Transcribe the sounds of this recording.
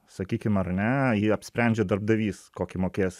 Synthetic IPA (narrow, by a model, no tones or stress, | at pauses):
sɐkʲiːkʲɪmɐrnʲɛjiɐpʲsʲpʲɾʲɛnʲd͡ʒʲɛd̪ɐrb̚d̪ɐʋʲiːskoːkʲɪmoːkʲeːjɛs